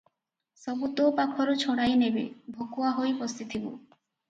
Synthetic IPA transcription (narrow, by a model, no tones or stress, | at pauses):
sɔbut̪opakʰɔɾɔt͡ʃʰoɽajnebḛbʱokuaɦojpɔst̪it̪ʰibṵ